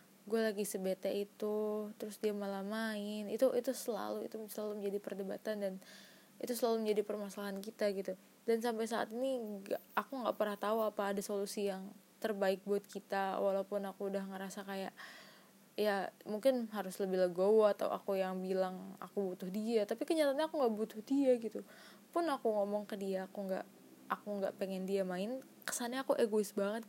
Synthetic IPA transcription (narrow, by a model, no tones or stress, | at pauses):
ɡualaɡisəbet̪ɛʔit̪ut̪əɾʊsdiamalamaɪnit̪uʔit̪usəla̰luḭt̪usəlaluməɲd͡ʒadipərdəba̰t̪andan | ḭt̪usəlaluməɲd͡ʒadipərmasalaɦankit̪aɡit̪u | dansampajsaʔa̰t̪iniɡaakuŋɡaʔpərɾaht̪auapaːdasolusijaŋt̪ərbaɪk̚buat̪̚kit̪awalawpʊnakudahŋəɾasakaja̰ʔ | jamuŋkɪnɦaɾʊsləbɪhləɡowat̪a̰w̰ʔa̰kujaŋbilaŋa̰kubut̪ʊhdiat̪apikəɲat̪aɲakuŋɡaʔbut̪ʊhdiaɡit̪u | pʊnakuŋomɔŋkədiaːkuŋɡa̰ʔ | akuŋɡaʔpeŋɛndiamaɪn | kə̥saɲaːkuʔeɡoɪsbaŋət̪̚